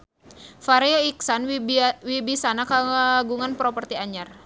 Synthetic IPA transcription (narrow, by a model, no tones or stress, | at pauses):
faɾioiksanwibisanakaɡuŋanpɾɔpərt̪iaɲar